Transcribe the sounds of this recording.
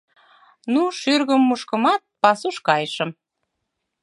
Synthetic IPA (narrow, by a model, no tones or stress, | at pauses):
nuʃyrɣəmːuʃkə̆mɑt̪̚pɑsuʃkɑjəʃə̆m